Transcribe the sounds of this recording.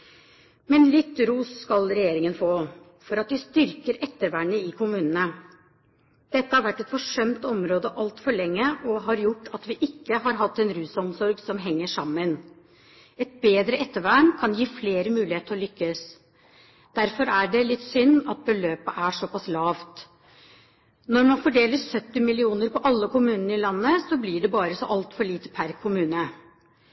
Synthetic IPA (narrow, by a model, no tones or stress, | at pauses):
mɛnlɪt̪ːɾuːsːkɑlɾɛjeːɾɪŋənfoː | fɔɾɑt̪ʋɪst̪ʏɾkəɾʔɛt̪ːəɾʋæːɳəɪkʰʊmʉːnənə | d̪̥ɛt̪ːəhɑɾʋæʈːɛt̪fɔʂœmt̪ɔmɾoːd̪əʔɑlt̪fɔɭɛŋːəʔɔɦɑɾjʊʈːɑt̪ʋɪʔɪkːəɦɑɾɦɑt̪ːɛnɾʉːsɔmsɔɾɡsɔmɦɛŋːəʂɑmːən | ɛt̪̚beːd̪ɾəʔɛt̪ːəʋæɳkʰɑnjiːfleːɾəmʉːlɪheːt̪əɾɔlʏkːəs | d̪̥æɾfɔɾæɖɛlɪt̪ːsʏnːɑt̪̚bəløːpəʔæʂɔpɑslɑːʋt̪ | nɔɾmɑnfɔɖeːləssœt̪ːɪmɪlɪuːnəɾpɔʔɑlːəkʊmʉːnənəɾɪlɑnːəsɔblɪɖɛbɑːɾəsɔʔɑlt̪fɔɭiːt̪ə̥pʰæɾkʰʊmʉːnə